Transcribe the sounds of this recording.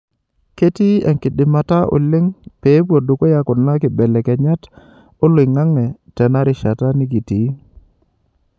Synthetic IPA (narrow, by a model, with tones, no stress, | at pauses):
ke˦ti˦ɛ̰˨ŋkɪ˨dɪ˨ma˨ta˦ʔo̰˨lɪ˦ŋpe˨˦bwo˨do˨ko˦ja˦kʊ˨nla˦kɪ˨bɛ˨lɛ˨kɛ˨ɲa˦t | o˦lwɪ˨ŋa˦ŋɛ˨tɛ˨na˦ɾɪ˨ʃa˨ta˦ni˦ɡi˨ti˨˦